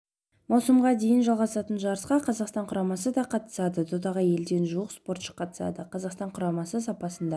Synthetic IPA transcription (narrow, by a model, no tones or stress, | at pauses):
mɑwsəmʁɑd̪e̞jənʒɑlˠʁɑsɑt̪ənʒɑɾəsqɑqʰɑzɑqst̪ɑɴqʰʊɾɑmɑsəd̪ɑqʰɑt̪ə̥sɑd̪ət̪ʰod̪ɑʁəje̞ld̪e̞nʒuəqspo̞ɾt̪ʃə̥qʰːɑt̪ə̥sɑ̰d̪əqʰɑzɑqst̪ɑɴqʰʊɾɑmɑsəs̬ɑpɑsənd̪ɑ